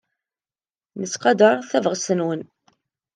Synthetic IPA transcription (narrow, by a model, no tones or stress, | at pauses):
nət͡sqɑd̪əɾˤθævʁsənwən